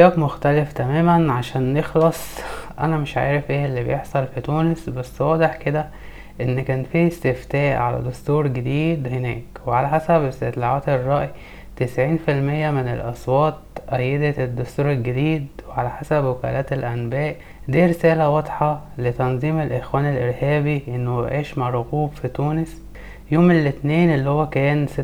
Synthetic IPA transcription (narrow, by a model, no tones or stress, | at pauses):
æːkmoxt̪æleft̪æmæːmænʕaʃæːnːexlɑsˤʔæ̰næmeʃʕa̰ːɾefʔeːʔelːibejeħsˤɑlfit̪uːnesbæsːwɑːd̪ˤeħked̪æ | ʔenːkæːnfiːest̪eft̪æːʔʕa̰læ̰d̪ost̪uːɾɡed̪iːd̪henæːkweʕalæħasæbest̪et̪ˤlɑʕaːt̪erˤːɑːʔi | t̪esʕiːnfilmejːæmenelʔɑsˤwɑːt̪̚ʔæjːed̪ed̪ːost̪uːɾelɡed̪iːd̪weʕalæħasæbwekæ̰ːlʔæːt̪elʔænbæːʔ | d̪iːɾesæːlæwɑd̪ˤħɑlet̪ɑnzˤiːmelʔexwæːnelʔeɾhæːbiʔenːob̰ʕeːʃmaɾˤoɣuːbfit̪uːnes | joːmelːet̪neːnʔelːihowːækæːnse